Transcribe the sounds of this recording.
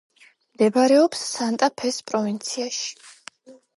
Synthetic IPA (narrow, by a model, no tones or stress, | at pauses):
md̪ɛbaɾɛɔpsːant̪ʼapʰɛspʼɾɔvint̪sʰiaʃi̥